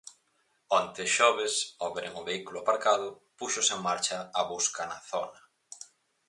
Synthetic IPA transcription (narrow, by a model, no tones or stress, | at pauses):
ɔnt̪eʃɔβ̞esɔβeɾeŋʊβeikulʊapaɾkaðʊ | puʃoseŋmaɾt͡ʃɐːβuskɐnaθɔnɐ